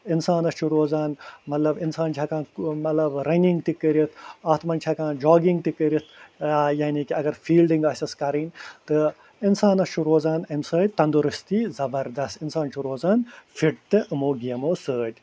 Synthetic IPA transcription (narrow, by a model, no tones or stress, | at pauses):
insaːnɐst͡ʃʰuɾoːzaːnmɐt̪lɐbinsaːnt͡ʃʰɐkãːnmɐt̪lɐbɾɐnʲiŋɡt̪ikːəɾit̪ʰɐːt̪mɐnt͡ʃʰɐkãːnd͡ʒaːɡiŋɡt̪ikːəɾit̪ʰajaːniːkiɐɡɐɾfiːlɖĩŋɡɐsʲɐskɐɾiːnʲt̪ɨ | insaːnɐst͡ʃʰuɾoːzaːnɐmsəːd̪̚ʲt̪ɐnd̪uɾɨst̪iːzɐbɐɾd̪ɐst̪insaːnt͡ʃʰuɾoːzaːnfiʈt̪ɨʔɨmoːɡijɐmoːsəːd̪ʲ